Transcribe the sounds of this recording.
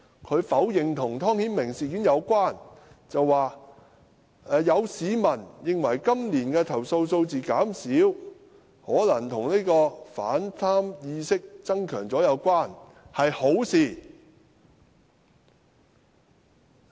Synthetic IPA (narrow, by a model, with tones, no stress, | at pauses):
kʰɵ˨˧ɥfɐ˨˥wjɪ˨˩ŋt̪ʰʊ˨˩ŋt̪ʰɔː˥ŋhiː˨˥nmɪ˨˩ŋsiː˨kiː˨˥njɐ˨˧wkʷaː˥˩nt͡sɐ˨wːaː˨ | ɛː˨jɐ˨˧wsiː˨˧mɐ˨˩njɪ˨ŋwɐ˨˩jkɐ˥mniː˨˩nkɛː˧t̪ʰɐ˨˩wso˧wso˧wt͡siː˨kaː˨˥msiː˨˥w | hɔː˨˥lɐ˨˩ŋt̪ʰʊ˨˩ŋniː˥kɔː˧fa̰ː˨˥nt̪ʰaː˥mjiː˧sɪ˥k̚t͡sɐ˥ŋkʰœː˨˩ŋt͡sɔː˨˥jɐ˨˧wkʷaː˥˩n | hɐ˨jho˨˥wsiː˨˩